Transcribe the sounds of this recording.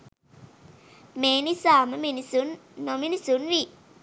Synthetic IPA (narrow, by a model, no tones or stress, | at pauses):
meːnisaːməminnnominisunʋi